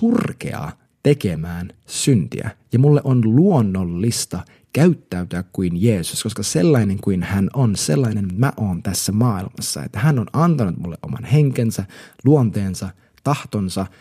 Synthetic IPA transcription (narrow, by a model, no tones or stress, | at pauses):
surkḛɑ̰ | t̪ekemæːnsynt̪ḭæ̰jɑmulːeʔonluonːolːist̪ɑ | kæyt̪ːæyt̪øækkuinjeːsu̥sko̞skɑselːɑineŋkuinhænonselːɑinenmæʔo̞ːnt̪æsːæmɑːilmɑ̰sːɑ̰ḛt̪ːæhænːonɑnt̪ɑnut̪mulːeʔo̞̰mɑ̰nheŋkensæluont̪eːnsɑ | t̪ɑht̪onsɑ